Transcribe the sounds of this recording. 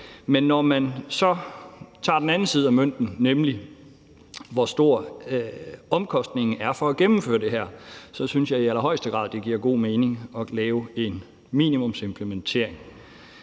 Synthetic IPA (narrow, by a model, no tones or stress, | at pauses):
menːɒmænsɒ̽t͡sʰɑ̈ːd̥enænn̩siːð̞̩ˠæmøn̰d̥n̩nemli | ʋɒsd̥o̝ɐ̰ | ɒ̽mkʰɒ̽sd̥ne̝ŋ̩æɐfɒ̽æɡ̥emm̩fø̰ːɐd̥e̝ɦæɐ̰sɒ̽synsjɑ̈ɪiælɐɦɒ̽ɪsd̥əɡ̥ʁɑ̰̈ðˠd̥e̝ɡ̥iɐ̰ɡ̥o̝̰ːme̝ːne̝ŋɒ̽lɛːʊe̝n | mḭːnimɔ̽mse̝mpʰlement͡sʰe̝̰ɐ̰eŋ